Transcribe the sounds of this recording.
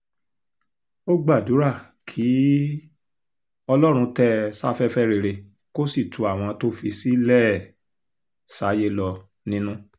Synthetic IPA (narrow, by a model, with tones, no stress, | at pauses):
o˦ɡ͡ba˦˨du˨˦ɾa˦˨ | kʰi˨˦ | ɔ˧lɔ˦ɾ̃ũ˧tɛ˦sa˦fɛ˦fɛ˦ɾe˧˨ɾe˧ | ko˦si˦˨tʰu˨˦a˨w̃ɔ̃˧to˦fi˧si˦lɛ˦˨ | sa˨˦je˦lɔ˧ | nĩ˦nũ˦